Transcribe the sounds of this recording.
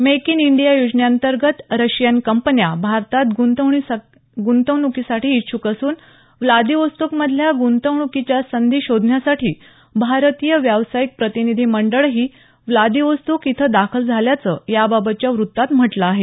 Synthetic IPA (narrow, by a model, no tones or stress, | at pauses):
mekiniɳɖijajud͡ʑɳjant̪əɾɡət̪ɾəɕjənkəmpənjabʱaɾt̪at̪ɡunt̪əʋɳi | ɡunt̪əɳukisaʈiːt̪ːɕʰukəsuːn | ʋlad̪iʋəst̪ukməd̪ʱljaɡunt̪əʋɳukit͡ɕjasənd̪iːɕod̪ʱnjasaʈʰiː | bʱaɾt̪ijəʋjaʋsajik̚pɾət̪inid̪ʱiːməɳɖəɭɦiː | ʋlad̪iʋəst̪ukit̪ʰəd̪akʰəld͡zʱaljat͡səjababət̪̚t͡ɕjaʋɾut̪ːat̪m̤əʈlaaɦe